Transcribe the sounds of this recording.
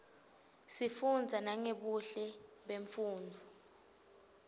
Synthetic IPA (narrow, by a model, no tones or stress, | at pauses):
sifund͡zʱanaŋeɓuɬɛɓeɱfuːndʱɔ